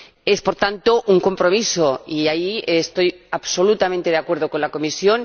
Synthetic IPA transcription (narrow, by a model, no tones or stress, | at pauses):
e̞spo̞ɾt̪ant̪o̞ʔuŋko̞mpɾo̞miso̞iaiest̪o̞jaβso̞lut̪amẽnt̪e̞ðakwe̞ɾð̞o̞ko̞nlako̞misjo̞n